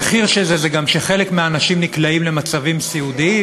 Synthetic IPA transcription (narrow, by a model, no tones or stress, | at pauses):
χiʁʃezezeɡamʃeχe̞lekmeaːnaʃimniklaimle̞mat͡savimsiud̪i